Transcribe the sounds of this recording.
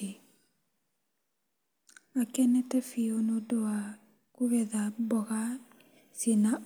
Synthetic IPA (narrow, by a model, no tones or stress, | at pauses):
akɛnɛtɛfionodowa | kuɣɛðabɔɣa | sena